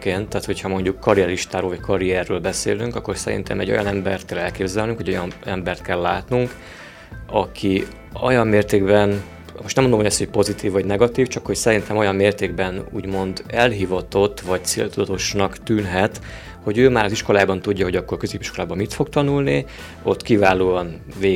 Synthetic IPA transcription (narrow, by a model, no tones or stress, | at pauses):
keːnt̪ːaːt̪ho̞chɒmo̞ɲɟukːɒɾijɛɾiʃt̪aːɾoːvɒckʰɒɾiɛrːøːlbɛsḛːlyŋkɒkːo̞rsɛ̰ɾḭnt̪ʰɛ̰mɛ̰ɟːo̞̰jɒ̰nɛmbɛrt̪̚kɛlɛlkeːbzɛlnyŋkho̞ɟo̞jɒnɛmbɛrt̪̚kɛlːaːt̪nuŋk | ɒkʰi | o̰jɒmːeːrt̪eːɡbɛn | moʃt̪nɛmond̪omhoɛshoc̚po̞zit̪iːvːɒɟnɛɡɒt̪iːft͡ʃɒkho̞csɛɾint̪ɛmo̞jɒmmeːrt̪eːɡ̚bɛnṵːɟmo̞nd̪ɛlɦivɒt̪o̞t̪ːʋɒct̪sḛːlt̪ud̪ɒt̪o̞ʃnɒkt̪yːnɦɛt̪ | ho̞ɟøːmaːɾɒziʃko̞laːbɒnt̪uɟːɒɦo̞ɟɒkːo̞rkøzeːpiʃko̞laːbɒmit̪fo̞kt̪ɒnulni | o̞t̪kivaːloːɒn | veː